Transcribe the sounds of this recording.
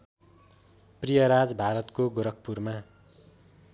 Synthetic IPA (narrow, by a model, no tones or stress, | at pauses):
prijʌɾad͡zbʱaɾʌt̪koɡoɾʌk̚purma